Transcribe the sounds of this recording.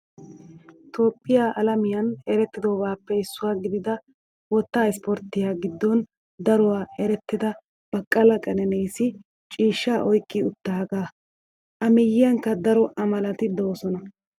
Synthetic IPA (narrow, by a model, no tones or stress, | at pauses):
t̪oːpʼːɪjaʔɐlɐmɪjɐnɛɾɛt̪ːɪd̪oːbaːpːɛɪsːʊwaːɡɪd̪ɪd̪ɐ | wɔt̪ːaːɪspɔɾt̪ːɪjaːɡɪd̪ːɔn | d̪ɐɾɔwaːɛɾɛt̪ːɪd̪ɐ | b̥ɐkʼːɐlɐkʼɐnɛnejsɪ | t͡ʃʼiːʃːaːʔɔjkʼːɪʊt̪ːaːɡaː | ʔɐmɪjːɪjɐŋkːɐd̪ɐɾɔʔɐmɐlɐt̪ɪd̪o̞ːsɔnɐ